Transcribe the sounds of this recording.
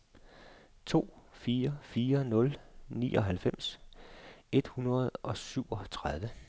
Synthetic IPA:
t͡sʰo̝̰ːfiːɐfiːɐnɔ̽lnḭːʔɒ̽ɦælfem̰s | e̝d̥hunɐð̞̩ˠɒ̽syʊ̰ɒ̽t͡sʰʁað̞ˠʋə

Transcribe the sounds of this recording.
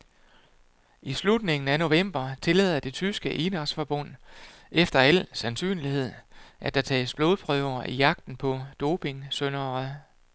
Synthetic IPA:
islud̥ne̝ŋn̩æno̝ʋem̰b̥ɐt͡sʰe̝lɛ̰ːðˠɐd̥e̝t͡sʰysɡ̥əʔenɑsfɒb̥ɔn̰ | efd̥ɐælsænsy̰ːnlihe̝ð̞̰ˠʔæd̥æ̈t͡sʰɛ̰ːsb̥lo̝ðˠpʰʁœʊɐʔijɑ̈ɡ̥̚d̥n̩pʰɒ̽d̥o̝ːpʰe̝ŋsønɐ

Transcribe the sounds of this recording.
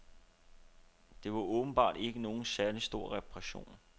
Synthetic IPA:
d̥e̝ʋɑ̈ʔɔ̽ːb̥n̩b̥ɑ̰̈ːd̥e̝ɡ̥əno̝ːn̩sæɐlisd̥o̝ɐ̰ʁɛpʰʁɛɕo̝̰ːn

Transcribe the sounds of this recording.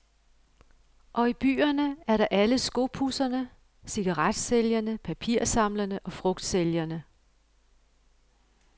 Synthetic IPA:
ʔɒ̽ib̥y̰ːɐnəæɐɾɑ̈ʔæləsɡ̥o̝b̥ʰusɐnə | siɡ̥ɑ̈ʁɑd̥seljɐnəpʰæpʰiɐ̰sɑ̈m̰lɐnəʔɒ̽fʁɔ̽ɡ̥d̥seljɐnə

